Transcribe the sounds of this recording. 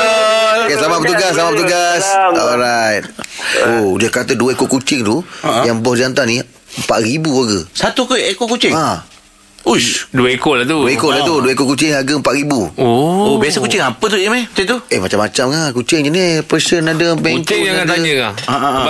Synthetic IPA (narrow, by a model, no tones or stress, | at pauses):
keslamaʔpət̪uɡaslamaʔpət̪uɡasɔlɾajt̪̚odiəkat̪əduəekoʔkut͡ʃɪŋt̪ujaŋbɔhd͡ʒant̪ani | əmpa̰ʔɾibuaɡəsat̪ukoekoʔkut͡ʃɪŋa | usduəekoʔlat̪uuekoʔlaht̪uduəekoʔkut͡ʃɪŋaɡəəmpaʔɾibuoobiasəkut͡ʃɪŋapət̪̬uiəmakut͡ʃɪŋt̪uemat͡ʃamːat͡ʃamŋakut͡ʃɪŋd͡ʒənepəsənadəpɛŋt̪aaad̪aɲəŋaa